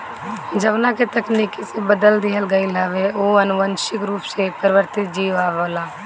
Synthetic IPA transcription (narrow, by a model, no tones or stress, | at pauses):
d͡ʒəʋnãːket̪əkniːkesebəd̪əld̪iːɦəlɡaːilaːʋeoːənʊʋənʃɪkɾuːpsepəɾɪʋəɾt̪ɪt̪̚d͡ʒiːʋaːʋoːlaː